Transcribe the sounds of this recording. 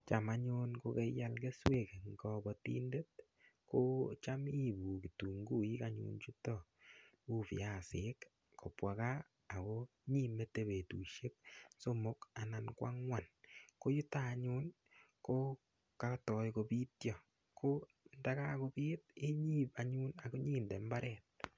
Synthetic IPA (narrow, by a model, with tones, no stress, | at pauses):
t͡ʃa˨maɲʊ˦nko˦ke˦ja˦lke˦swe˦˨ke˨ŋɡɔ˨bɔ˨tḭ˦nde˦t̚ | ko˦t͡ʃa˦mi˦˨bu˨ki˨tu˨ŋɡu˦i˦ka˦ɲṵ˨nt͡ʃu˦tɔ˦˨ | u˦pḭ˨ja˨sɪ˦k | kʰo˨pwa˨ka˦ | a˨ko˦ | ɲi˦me˦te˦βe˨tu˨ʃe˦k̚so˦mo˦ka˨nankwa̰˦ŋwa˨nko˦ju˦taɲu˦n | ko˦ | ka˦tɔ˨jko˨pi˦tjɔ˨ | kʰo˦ | nda˦ka˦ko˦pi˦t̚e˦ɲi˦pa˨ɲu˦na˨ko˦ɲiː˦nde˨mba˦ɾɛ˨t̚